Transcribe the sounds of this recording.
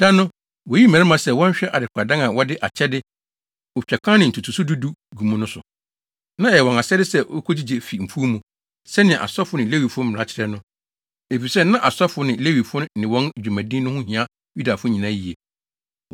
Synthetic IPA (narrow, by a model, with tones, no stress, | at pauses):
d̥a˦nʊ̃˦ | wɔ˨ji˦m̩ɛ̃˨ɾɛ˦mã˨sɛ˦˨wɔ̃˦ɲ̩˦ɕᶣɛ˦ʔa˨dɪ˨kʷʰa˨dã˦ŋã˨wɔ˦dɪ˦ʔa˨t͡ɕʰɛ˦dɪ˦ | ʊ˨t͡ɕᶣɛ˨kʷʰã˦nɪ̃˨n̩˨tʰu˨tʰu˨su˦du˦du˦ɡu˨mũ˦nʊ̃˦sʊ̰˨ | nã˦ɛ˨ɛ˨wɔ̃˨a˨sɛ˦dɪ˦sɛ˦o˦kʰo˦d͡ʑi˦d͡ʑe˨fi˨m̩˨fʰu˦mũ˨ | sɛ˦nɪ̃˨ɛ̃˨ʔa̰˨sɔ˦fʊ˦nɪ̃˨le˦wi˨fʊ̃˦m̩˨a˦t͡ɕʰɪ˨ɾɛ˦nʊ̃˦ | e˨fi˨sɛ˦nã˦ʔa˨sɔ˦fʊ˨˦nɪ̃˨le˦wi˨fʊ̃˦n˦nɪ̃˨wɔ̃˦n˨d͡ʑᶣu˨mæ̃˨dĩ˦nʊ̃˦hʊ̃˦hĩ˨ã˦ | ju˦da˨fʊ̃˦ɲĩ˨nã˦ji˨e˨